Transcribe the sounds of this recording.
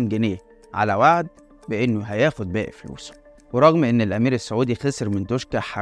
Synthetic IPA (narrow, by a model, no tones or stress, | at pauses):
mɡeneː | ʕa̰læwaʕd̪̚ | beʔenːoɦæjæːxod̪̚bæːʔflṵːs | weɾˤɑɣmʔenːelʔæmiːɾesːoʕuːd̪ixeseɾment̪oʃkæħɑ